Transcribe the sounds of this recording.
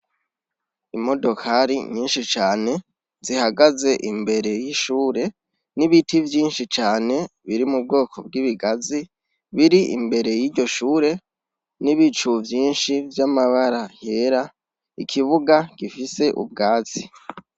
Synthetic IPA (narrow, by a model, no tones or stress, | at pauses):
imo̞do̞kʰaɾḭɲiːnʃit͡ʃaːne̞ | zihaɡaze̞ʔimbe̞ɾe̞jiʃuːɾe̞ | niβitʰivjiːnʃit͡ʃaːne̞βiɾimub̚ɡo̞ːkʰo̞bɡiβiɡazi | βiɾiḭmbe̞ɾe̞jiːɾɟo̞ʃuːɾe̞ | niβit͡ʃuvjiːnʃivjamaβaɾaheːɾa | ikʰiβuɡakifise̞ʔṵb̚ɡaːt͡si